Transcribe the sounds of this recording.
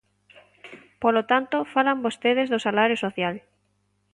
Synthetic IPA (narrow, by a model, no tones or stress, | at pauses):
polot̪ant̪ofalambost̪eð̞ezðosalaɾjosoθjal